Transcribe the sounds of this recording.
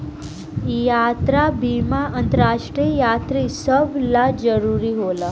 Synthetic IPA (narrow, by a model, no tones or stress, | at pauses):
jat̪ɾabimaʔənt̪əɾaʂʈɾijat̪ɾisəbʱlad͡zəɾuɾiːɦola